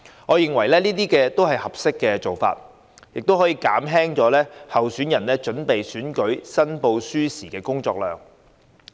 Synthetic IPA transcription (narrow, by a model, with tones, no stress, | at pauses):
ŋɔː˨˧jɪ˨ŋwɐ˨˩jlɛː˥niː˥t̪̬iː˥kɛː˧t̪o˥wɦɐ˨jhɐ˨p̚sɪ˥kːɛː˧t͡so˨wfa̰ː˧t̚ | jɪ˨k̚t̪o˥wɦɔː˨˥jiː˧kaː˨˥mɦɛː˥ŋt͡ʃɔː˨˥lɛː˥hɐ˨wsyː˨˥njɐ˨˩nlɛː˥t͡ʃɵ˨˥npe˨jsyː˨˥nkɵ˨˥ɥsɐ˥npo˧wsyː˥siː˨˩kɛː˧kʊ˥ŋt͡sɔ̰ː˧k̚lœː˨ŋ